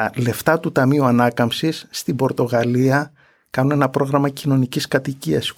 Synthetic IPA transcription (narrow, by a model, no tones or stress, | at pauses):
ɐle̞ft̪ɐt̪ut̪ɐmiuɐnɐkɐmpsisːt̪ibo̞ɾt̪o̞ɣɐliɐ | kɐnune̞nɐpɾo̞ɣɾɐmɐcino̞niciskɐt̪iciɐs